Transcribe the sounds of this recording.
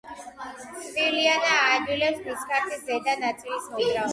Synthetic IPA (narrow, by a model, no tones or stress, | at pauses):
sʼvilianaːd͡ʒwilɛpspʰiskʰʼaɾt̪ʰiszɛd̪anat̪sʼilismɔɡɾa